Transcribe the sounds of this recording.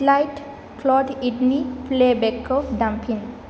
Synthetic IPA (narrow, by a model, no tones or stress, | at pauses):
lajʈ | klɔʈiʈniplebekɔfɖãmpʰĩn